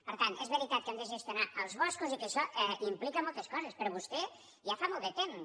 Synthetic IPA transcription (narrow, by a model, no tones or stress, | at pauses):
pəɾt̪ant̪ɛzβəɾit̪at̪̚kɛmd̪əʒəst̪junaʔəlˠzβɔskuzikəʃɔʔɛimplikəmɔlˠt̪əskɔzəspəɾɔβust̪ɛ | ʒafamɔlˠd̪ət̪em